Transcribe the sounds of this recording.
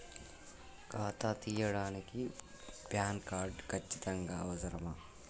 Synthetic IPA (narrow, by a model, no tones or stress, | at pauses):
kaːt̪aːt̪iːjɐɽaːneki | bʱjaːnkaːɾɖkɐt͡ʃːid̪ɐŋɡaːoːzɐɾmaː